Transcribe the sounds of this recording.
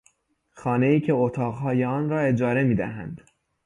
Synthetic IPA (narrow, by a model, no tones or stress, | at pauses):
xɒːne̞iːcʰe̞ot̪ʰɒːɣɦɒːjeɒːnɾɒːe̞d͡ʒɒːɾe̞miːd̪æ̰ɦæ̰nd̪